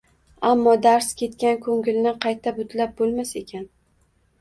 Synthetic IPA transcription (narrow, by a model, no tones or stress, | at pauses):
amːɒd̪aɾskʲe̞t̪kʲankʰɵŋʲɪlnɪqʰɑjt̪ʰabʊt̪ʰlap̚bolˠmase̞kʲʰan